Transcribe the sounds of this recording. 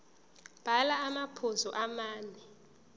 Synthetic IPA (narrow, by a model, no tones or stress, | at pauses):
b̥ʱalaːmapʰozɔʔamaːnɛ